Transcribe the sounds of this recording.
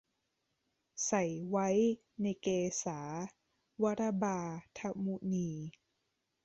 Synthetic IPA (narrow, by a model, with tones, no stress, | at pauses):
sa˨˩jwa˦˥j | na˧jkeː˧saː˩˦ | wa˦˥ɾa˧baː˧t̪ʰa˧mu˧niː˧